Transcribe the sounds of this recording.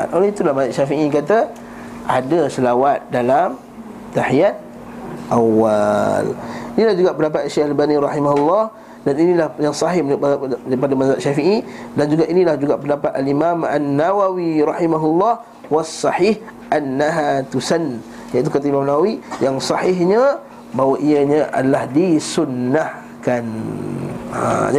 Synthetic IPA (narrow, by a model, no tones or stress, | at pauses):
a̰nolait̪ulahmazaʔʃafiʔikat̪a | ʔadasəlawat̪̚dalam | t̪aħiat̪̚ | ʔawalinilahd͡ʒuɡaʔpəndapat̪aʃehalbaniɾɑhimaɦulːɑh | daninilahjaŋsɑɦɪaɾipadamazaʔ̪ʃafiʔidand͡ʒuɡaʔinilahd͡ʒuɡaʔpəndapat̪alimama̰nːawawiɾɑħimaɦulːɑh | wasˤːɑħih | ʔanːaɦat̪usan | jait̪ukat̪aimamnawawijaŋsɑhɪɦɲa | bawaʔiaɲaʔa̰dalahdisunːah | kan | a̰d͡ʒa